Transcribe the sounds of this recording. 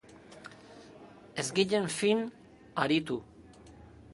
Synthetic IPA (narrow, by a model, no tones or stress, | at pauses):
e̞zɡiʎe̞ɱfin | aɾit̪u